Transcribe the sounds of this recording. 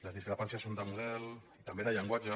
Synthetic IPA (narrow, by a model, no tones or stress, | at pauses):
ləzðiskɾəpansjasːond̪əmuðɛlit̪ambeðəʎəŋɡwad͡ʒə